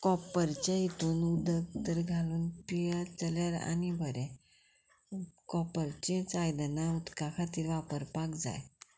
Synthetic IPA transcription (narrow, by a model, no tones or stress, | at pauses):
kɔpəɾt͡ɕjaɦit̪uːnud̪əɡ̚t̪əɾɡʱaluːnpijat͡səljaɾa̰nibʱəɾɛ̃ | kɔpəɾt͡ɕẽt͡sajd̪ənaut̪kakʰat̪iːɾʋapəɾpakd͡za̰j